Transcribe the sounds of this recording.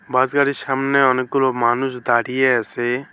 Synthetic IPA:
bazɡaɾiʃamneɔnkulɔmaːnusd̪aːɽijɛse

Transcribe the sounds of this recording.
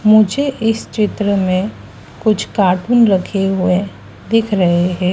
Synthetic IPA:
mʊd͡ʒʱeʔɪst͡ʃɪt̪ɾəmẽ | kʊt͡ʃʰkaːʈuːnɾɐkʰeɦʊe | d̪ɪkʰɾɐɦeɦɛ̃ː

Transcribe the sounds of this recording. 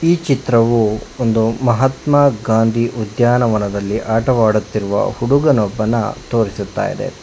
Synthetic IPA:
iːt͡ʃit̪ɾɐʋuond̪umɐɦɐt̪maːɡaːnd̪ʱiʔud̪jaːnɐʋɐnɐd̪ɐlːiʔaːʈɐʋaːɽut̪ːiɾuʋɐ̰huɽuɡɐnɔbːɐnːɐ̰t̪o̞ːɾisut̪ːa̰ːjḭd̪e̞̰

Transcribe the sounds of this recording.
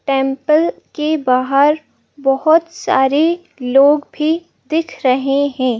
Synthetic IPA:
ʈɛ̃ːmpəlkebaːɦəɾ | bɐɦʊt̪sa̰ːɾe | loːɡbʱi | d̪ɪkʰɾɐɦeɦɛ̃ː

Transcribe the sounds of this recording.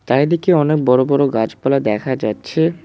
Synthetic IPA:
t̪aed̪ikeɔnek̚bɔɾobɔɾoɡad͡ʑpalad̪ɛkʰad͡ʑatːɕʰe

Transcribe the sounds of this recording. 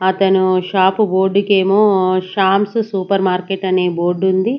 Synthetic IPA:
ɐt̪ɐnuʃaːpubo̞ːɾɖukeːmoːʃaːmssuːpɐɾmaːɾkeʈɐneːboːɾɖund̪i

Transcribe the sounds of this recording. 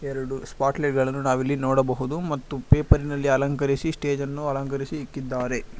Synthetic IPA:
ɛɾɐɽuspaːʈleʈ̚ɡɐɭɐnːunaːʋilːinɔːɽɐbɐɦud̪umɐt̪ːupeːpɐɾinɐlːiɐlɐŋkɐɾisisʈe̞ːd͡ʒɐnːuɐlɐŋkɐɾisiɦikːid̪ːaːɾe̞

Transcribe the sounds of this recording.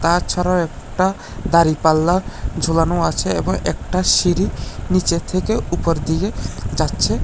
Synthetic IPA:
t̪at͡ɕʰaɾawɛkʈa | d̪aɾipalːad͡ʒʱolanoat͡ɕʰeḛbɔŋḛk̚ʈaʃiɾinit͡ɕet̪ʰekeupɔɾd̪iɡed͡ʑatːʃʰe

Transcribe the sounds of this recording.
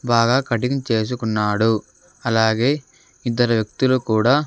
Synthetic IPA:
baːɡaːkɐʈiɡɐmt͡ʃe̞ːs̬ukunːaːɽu | ɐlaːɡe̞ː | id̪ːɐɾɐʋjɐk̚t̪ulukuːɽaː

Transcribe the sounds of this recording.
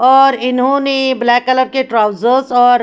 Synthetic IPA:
ɔːɾɪnɦõneblɛːkːələɾkeʈɾaːʊzəɾzɔːɾ

